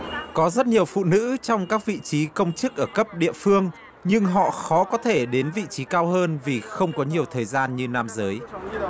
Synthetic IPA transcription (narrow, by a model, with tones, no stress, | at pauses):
kɔ˨˦zə˦˥t̚ɲi˨˩əwfṵ˧˨nɨ̰˧˥t͡ɕɔ˧wŋ͡mkaː˦˥k̚vḭ˧˨t͡ɕi˨˦kə˧wŋ͡mt͡ɕɨ˦˥ək̚ʔəː˧˩kə˦˥p̚ɗḭ˧˨əfɨ˧əŋ | ɲɨ˧ŋɦɔ̰˧˨xɔ˨˦kɔ˨˦t̪ʰe˧˩ɗe˨˦nvḭ˧˨t͡ɕi˨˦kaː˧wɦəː˧nvi˨˩xə˧wŋ͡mkɔ˨˦ɲi˨˩əwt̪ʰəː˨˩jzaː˧nɲɨ˧naː˧mzəː˨˦j